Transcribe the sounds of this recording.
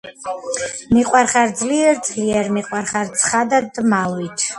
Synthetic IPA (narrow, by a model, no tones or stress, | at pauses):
miqʼwaɾχaɾd̪zliɛɾd̪zliɛɾmiqʼwaɾχaɾt̪sʰχad̪ad̪malwit̪ʰ